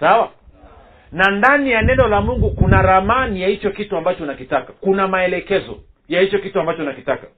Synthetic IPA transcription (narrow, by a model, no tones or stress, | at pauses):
sawa | nandanijanɛnɔlamuŋɡukunaɾamanijahit͡ʃɔkituambat͡ʃɔnakitakakunamaɛlɛkɛzɔ̰ | jahit͡ʃɔkituambat͡ʃɔnakitakḁ